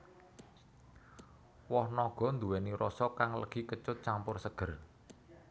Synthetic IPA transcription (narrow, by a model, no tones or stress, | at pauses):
wɔhnɔɡ̥ɔ̤nd̪uwɛniɾɔsɔkaŋlə̰ɡ̥ikət͡ʃʊt̪̚t͡ʃampʊrsəɡ̥ər